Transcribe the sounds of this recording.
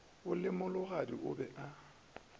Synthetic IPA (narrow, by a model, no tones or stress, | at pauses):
ʊlɪmʊlʊɣadiʔʊ̰bɛʔa